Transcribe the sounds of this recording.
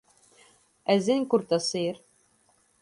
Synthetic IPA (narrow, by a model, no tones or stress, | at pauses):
æzɘŋkuɾt̪ɑsɤ̆jɤɾ